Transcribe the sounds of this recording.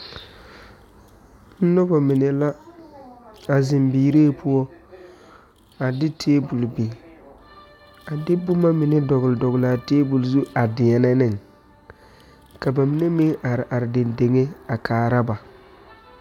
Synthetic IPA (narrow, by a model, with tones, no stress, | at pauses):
n̩˦nɔ˦ba˨mɪ˨ne˨la˦ | a˨zɪ˨mbiː˨ɾeː˦˨pʰʊ˦ɔ˦ | a˨dɪ˦tʰeː˦bu˨lbe˨ | a˨dɪ˦bʊ˦ma˦mɪ˨nɛ˦dɔ˨ɣʊ˨lɪ˨dɔ˨ɣʊ˨la˨teː˦bu˨lzu˦a˨dɪ˨ɛ˨na˦nɪ˦˨ŋ | ka˨ba˨mɪ˨ne˦mɪ˦ŋa˨ɾɪ˨ʔa˨ɾɪ˨de˨nde˨ŋe˦a˨kʰaː˨ɾa˦ba˨